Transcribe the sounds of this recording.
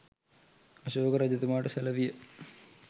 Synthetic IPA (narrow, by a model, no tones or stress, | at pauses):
ɐɕoːɡɐɾɐd͡ʑɐðumaːʈɨsɐlɐʋijɐ